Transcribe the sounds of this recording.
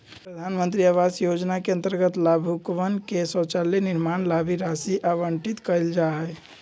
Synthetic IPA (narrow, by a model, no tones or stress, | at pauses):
pɾəd̪ʱanmənt̪ɾiaʋasjod͡ʒnakeə̃nt̪əɾɡət̪labʱukʋənkesə̃t͡ʃaliniɾmanlabʱiɾasiʔaʋəɳʈit̪kəjld͡ʒaɦə